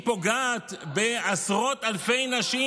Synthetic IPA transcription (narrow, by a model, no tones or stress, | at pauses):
po̞ɡaːt̪beasʁo̞t̪alfe̞jnaʃi